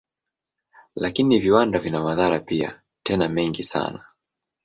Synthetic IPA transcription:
lakiniviwandavinamaðaɾapia̰ | tɛnamɛŋɡisa̰na

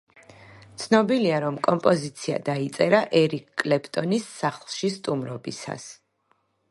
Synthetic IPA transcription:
t̪sʰnɔbiliaɾɔmkʼɔmpʼɔzit̪sʰia̰d̪ait̪sʼɛɾaʔɛɾikʰʼːlɛpʰt̪ʼɔnisːaχlˠʃist̪ʼumɾɔbḭsa̰s

